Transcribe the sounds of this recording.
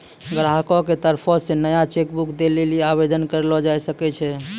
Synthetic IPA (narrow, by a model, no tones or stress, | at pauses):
ɡɾaɦkɔ̃ket̪əɾpʰɔsenəjat͡ʃekbukd̪eleliabed̪ənkəɾlɔd͡ʒajsəkɛt͡ʃʰɛ